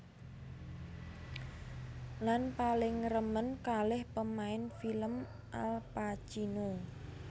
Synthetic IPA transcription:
lanpalɪŋrəmənkalɪhpəmaɪnfiləm | ʔa̰lpat͡ʃino

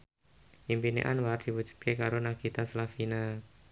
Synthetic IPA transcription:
ʔimpinḛʔanward̪̥i̤wu̥d͡ʒ̥ṳ̥t̪̚kekaɾonaɡ̥it̪aslafina

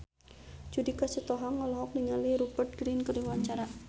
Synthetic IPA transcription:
d͡ʒudikat͡ʃət̪ɔɦaŋːɔlɔɦɔk̚liŋaliɾubərt̪̚ɡ̥ɾinkərdiwaɲt͡ʃaɾa

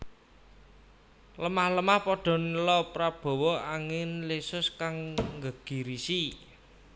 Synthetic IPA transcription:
ləmahləmahpɔɖ̥ɔ̤nlɔpɾab̥ɔ̤wɔʔaŋɪnlesʊskaŋŋɡəɡ̥i̤ɾisi

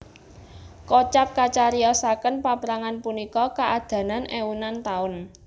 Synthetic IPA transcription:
kɔt͡ʃap̚kat͡ʃaɾiɔsakənpapɾaŋanpunikɔkaʔad̪̥ä̤nanʔewunant̪aʊn

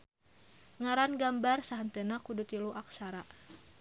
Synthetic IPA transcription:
ŋaɾanɡambarsaɦənt̪ənakudut̪iluʔak̚saɾaʔ

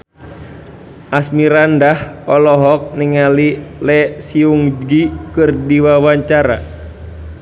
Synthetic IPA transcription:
ʔasmiɾandahɔlɔɦɔk̚niŋalilɛsiuŋd͡ʒɡikɨrdiwawaɲt͡ʃaɾa̰

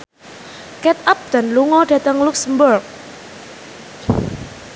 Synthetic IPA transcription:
kɛt̪̚ap̚d̪̥a̤nluŋɔɖä̤t̪əŋluksmbərk̚

